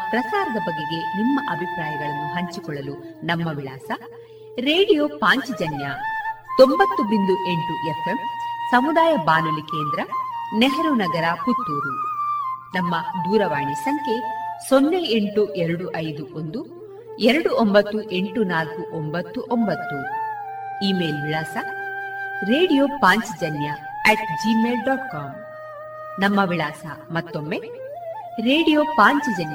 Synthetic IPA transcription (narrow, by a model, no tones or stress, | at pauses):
pɾɐsaːɾɐd̪ɐbɐɡːeɡe̞nimːɐʔɐbʱipɾaːjɐɡɐɭɐnːuɦɐɲt͡ʃikɔɭːɐlunɐmːɐʋiɭaːsɐ | ɾeːɽijoːpaːɲt͡ʃid͡ʒɐnjat̪ombɐt̪ːubind̪uʔe̞ɳʈuʔefʰemsɐmud̪aːjɐbaːnulikeːnd̪ɾɐneɦɐɾunɐɡɐɾɐkut̪ːuːɾu | nɐmːɐd̪uːɾɐʋaːɳisɐŋkʰe̞sonːeeɳʈuʔɛɾɐɽuʔɐjd̪uʔond̪u | ɛɾɐɽuʔombɐt̪ːuʔe̞ɳʈunaːlkuʔombɐt̪ːuʔombɐt̪ːu | iːme̞ːlʋiɭaːsɐ | ɾe̞ːɽijoːpaːɲt͡ʃd͡ʒɐnjɐ | ɛʈd͡ʒimeːlɖɔːʈkaːm | nɐmːɐʋiɭaːsɐmɐt̪ːo̞mːe | ɾeːɽijoːpaːɲt͡ʃɐd͡ʒɐnj